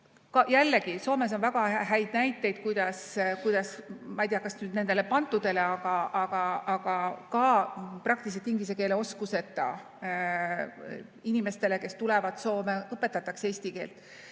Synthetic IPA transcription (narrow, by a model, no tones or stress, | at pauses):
kɑjælːeɡiso̞ːme̞s̬o̞nvæɡ̥ɑɦæjd̪̥næjt̪ːˑe̞jd̪̥̚kujd̪̥ɑskujd̪̥ɑsmɑjd̪ijɑkɑsnyːd̪ne̞nd̪̥e̞le̞pɑnt̪ːˑud̪̥e̞le̞ɑɡ̥ɑʔɑɡ̥ɑɑɡ̥ɑkɑprɑk̚t̪is̬et̪iŋɡis̬e̞ke̞ːleo̞skuse̞t̪ːˑɑ̰ | inime̞st̪e̞le̞ke̞st̪ulɛvɑd̪so̞ːmeɤpːˑe̞t̪ːˑɑt̪ːˑɑkse̞ːsʲt̪ike̞ːlt̪ːˑ